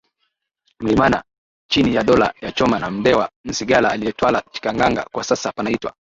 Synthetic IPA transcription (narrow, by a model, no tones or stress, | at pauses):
m̩limana̰ | t͡ʃinijaɗɔla̰jat͡ʃɔmanam̩dɛwan̩siɡalaːlijɛtwalat͡ʃi̥kaŋɡaŋɡa̰kwasasapanaitwa̰